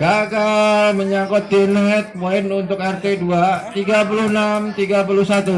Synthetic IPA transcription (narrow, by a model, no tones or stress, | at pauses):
ɡakaməɲakɔt̪̚dɛnɦɛt̪̚moɪnunt̪ʊk̚ɛrt̪eduat̪iɡap̬ulʊhənamt̪iɡapulʊhsat̪u